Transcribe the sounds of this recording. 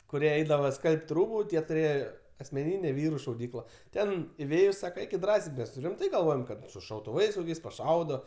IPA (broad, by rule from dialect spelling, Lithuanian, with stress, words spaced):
kʊˈrʲiɛ ˈɛɪdɐʋɐ ˈskɐlʲpʲtʲ ˈruːbʊ ˈtʲiɛ tʊˈrʲeːjɛ ɐsʲmʲɛˈnʲiːnʲeː ˈʋʲiːrʊ ʃɐʊˈdʲiːklˠɐ ˈtʲɛn ɪˈʋʲeːjʊs ˈsɑːkɐ ˈɛɪkʲɪt ˈdrɑːsʲɛɪ ˈmʲɛs ˈrʲɪmtɐɪ ɡɐlˠˈʋoːjoːm kɐt sʊ ʃɐʊtʊˈʋɐɪs pɐˈʃɐʊdoː